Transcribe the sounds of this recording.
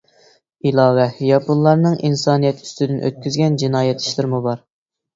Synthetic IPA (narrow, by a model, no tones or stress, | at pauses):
ilˠɑːwɛjɑpunlˠɑɾnɨŋʔinsɑːnijɛt̪ʰy̥st̪ɪd̪ɪnʔø̰t̪̚kʲyzɡʲɛnd͡ʒinɑːjɛt̪ʰːi̥ʃlˠɪɾmubɑɾ